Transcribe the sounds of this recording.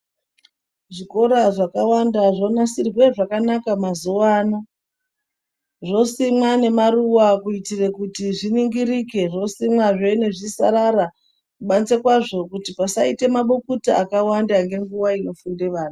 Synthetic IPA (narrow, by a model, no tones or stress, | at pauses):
ʐiko̞ɾaʐakawandaʐo̞nasirwe̞ʐakanakamazuwaːna | ʐo̞simwane̞maɾuwakuitire̞kutiʐiniŋɡiɾike̞ʐo̞simwaʐene̞ʐisa̰ɾaɾa | kuɓant͡se̞kwaʐo̞kutipasaite̞maɓokutaakawandaŋɡe̞ŋɡuwaino̞funde̞ʋaːna